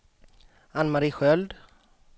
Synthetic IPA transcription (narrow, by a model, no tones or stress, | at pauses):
anmaɾiːɧœld̪